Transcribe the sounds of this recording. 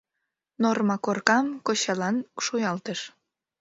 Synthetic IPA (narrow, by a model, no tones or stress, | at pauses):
normɑkorkɑmkoɕɑlɑnʃujɑlt̪əʃ